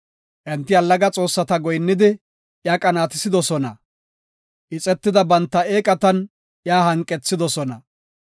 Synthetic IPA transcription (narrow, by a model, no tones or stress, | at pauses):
ʔɛnt̪ːɪɐlːɐɡɐt͡sʼo̞ːsːɐt̪ɐɡɔjnːɪd̪ɪ | jaːkʼɐnaːt̪ɪsɪd̪ɔsɔnɐ̰ | ʔɪt͡sʼɛt̪ːɪd̪ɐbɐnt̪ːɐeːkʼɐt̪ɐn | jaːhɐŋkʼːɛt͡sːɪd̪ɔsɔnɐ̰